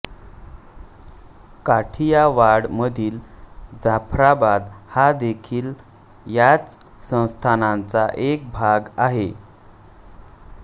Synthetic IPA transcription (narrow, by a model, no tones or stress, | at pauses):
kaʈʰijaʋaɽməd̪ʱiːld͡zapʰɾabad̪had̪ekʰiːl | jat͡s | sə̃w̃st̪ʰanant͡saʔek̚bʱaɡaɦe